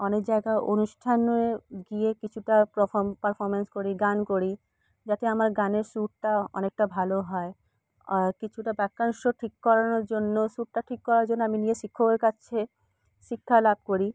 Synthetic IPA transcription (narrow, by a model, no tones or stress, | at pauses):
ɔnek̚d͡ʑaeɡaeʔonuʃʈʰanoeɡiekit͡ɕʰuʈapɾɔfʰopaɾfʰoɾmenskoɾiɡankoɾi | d͡ʑat̪eamaɾɡaneɾsuʈ̚ʈaɔ̰nek̚ʈabʱaloɦɔe | kit͡ɕʰuʈabɛkːanʃoʈʰikːɔɾanoɾd͡ʑonːoʃuʈ̚ʈaʈʰikːɔɾaɾd͡ʑonːoaminieʃikʰːoaɾkaːɕʰe | ʃikʰːalab̚koɾi